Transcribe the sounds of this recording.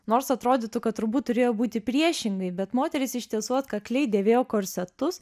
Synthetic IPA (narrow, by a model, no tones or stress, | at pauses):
noːɾsɐt̪ɾoːd̪ʲɪt̪ʊkɐt̪̚t̪ːʊɾbuːt̪t̪ːʊɾʲeːjoːbuːt̪ʲɪpʲɾʲiɛʃʲɪŋɡɐɪbʲɛt̪moːt̪ʲɛɾʲɪsɪʃʲt̪ʲiɛsuɔt̪kɐklʲɛɪd̪ʲeːʋʲeːjoːkoːɾʲsʲɛt̪ʊs